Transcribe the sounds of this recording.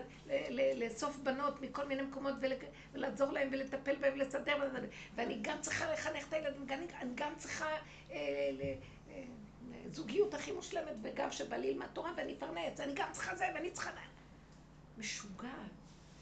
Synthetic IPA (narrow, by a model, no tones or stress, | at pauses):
leleleso̞fbano̞tmiko̞lminemeko̞mo̞tvele | velaːzo̞ʁlaemvelet̪ape̞lbaẽmlesadeʁbaaveaniɡamt͡sʁiχaleχaneχe̥tajeladimɡanianiɡamt͡sʁiχa | eele | zuɡijutaχimuʃle̞metveɡamʃebalilmatoʁaveanifaʁnet͡saniɡamt͡sʁ̥i̥χazeveanit͡sχana | meʃuɡa